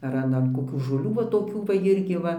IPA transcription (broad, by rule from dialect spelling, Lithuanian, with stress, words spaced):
ɐr ˈɐn ɐn koːˈkʲuː ʒoːˈlʲuː ʋɐ toːˈkʲuː ʋɐ ˈɪrʲɡʲɪ ˈʋɐ